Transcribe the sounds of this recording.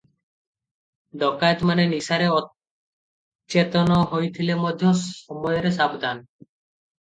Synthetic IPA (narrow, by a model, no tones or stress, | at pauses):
d̪ɔkajt̪manenisaɾeɔ | t͡ɕet̪onoɦojt̪ʰilemod̪ʱːjoɔmbɔjɔɾeʃabd̪ʱan